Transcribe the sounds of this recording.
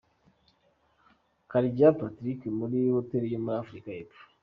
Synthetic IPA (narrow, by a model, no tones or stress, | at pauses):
kaɾiɟapatɾikemuɾihoteɾejomuɾafɾikaepu̥